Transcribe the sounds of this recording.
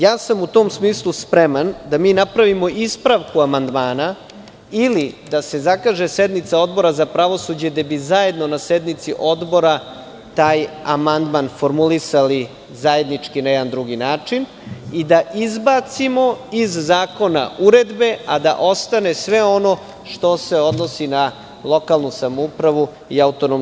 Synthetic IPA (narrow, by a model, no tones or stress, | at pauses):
jaːsamut̪oːmsmiːslˠuspɾemand̪amiːnapɾaʋimo̞ʔispɾaʋkuamand̪maːna | ilid̪ase̞zakaːʒesed̪nit̪sao̞d̪bo̞ɾazapɾaʋo̞sud͡ʑed̪abizaje̞d̪no̞nased̪nit̪sḭʔo̞d̪bo̞ɾa | t̪aːjamand̪manfo̞ɾmulisali | zae̞d̪nit͡ʂkinajɛd̪and̪ɾuɡinaːt͡ʂin | id̪aʔizbat̪simo̞izzaːko̞na̰uɾed̪be̞ad̪a̰ʔo̞st̪ane̞sʋe̞o̞no̞ | ʃt̪o̞se̞o̞d̪no̞sina | lˠo̞kalˠnusamoupɾaʋu | iaut̪onom